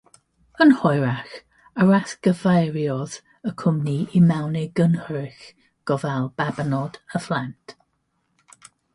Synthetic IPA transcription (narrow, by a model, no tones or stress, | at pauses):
ənhɔjɾax | əɹaθɡ̥əvajɹjɔð | əkʰʊmniimɛwnɪɡənhɹɪx | ɡ̥ɔvɛlˠb̥abənɔdəflˠantʰ